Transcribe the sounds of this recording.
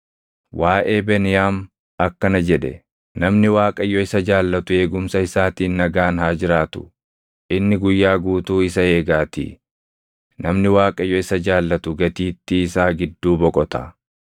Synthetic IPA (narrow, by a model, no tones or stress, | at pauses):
wʔaːʔe̞ːbɛnɪjaːm | ɐkːɐnɐd͡ʒɛᶑɛ | nɐmnɪwaːkʼɐjːɔɪsɐd͡ʒaːlːɐt̪ʊe̞ːɡʊmsɐɪsaːt̪iːnːɐɡaːnhaːd͡ʒɪɾaːt̪ʊ̥ | ʔɪnːɪɡʊjːaːɡuːt̪uːɪs̬ɐe̞ːɡaːt̪ḭ | nɐmnɪwaːkʼɐjɔɪsɐd͡ʒaːlːɐt̪ʊɡɐt̪iːt̪ːɪːsaːɡɪd̪ːuːbɔkʼɔt̪ɐ